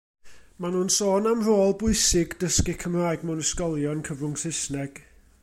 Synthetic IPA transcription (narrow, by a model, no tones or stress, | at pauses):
manuːnsoːnamroːlˠbʊɨsɪɡdəskɪkʰəmraːɨɡmʊnəskɔlˠjɔnkʰəvrʊŋsɪsnɛɡ̥